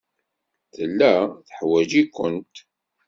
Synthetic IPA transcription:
θəlːæθəħwæd͡ʒikʷːənt̪

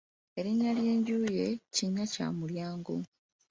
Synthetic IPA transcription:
e̞ɾiɲːalje̞ːɲɟuːje̞ciɲːaca̰ːmuljaːŋɡo̰

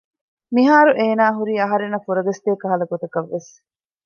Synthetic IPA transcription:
miɦaːɾuʔeːnaːɦuɾiːɐɦɐɾenːɐfuɾɐɡɐst̪eːkɐɦɐlɐɡot̪ɐkɐʋːes

